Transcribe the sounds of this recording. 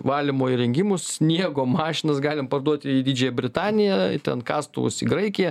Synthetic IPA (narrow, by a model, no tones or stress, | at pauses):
ʋɑːlʲɪmoːiɾʲɛŋʲɡʲɪmʊssʲnʲiɛɡoːmɑːʃʲɪnɐsɡɑːlʲɪmpɐrd̪uɔt̪ʲɪid̪ʲiːd͡ʒʲɛːjɛbʲɾʲɪt̪ɑːnʲɪjɛt̪ʲɛnkɑːst̪ʊʋʊ̰sḭɡɾɐɪkʲɪjɛ